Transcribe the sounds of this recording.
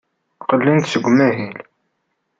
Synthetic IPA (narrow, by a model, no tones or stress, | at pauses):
qəlːint̪səɡʷːmæɦil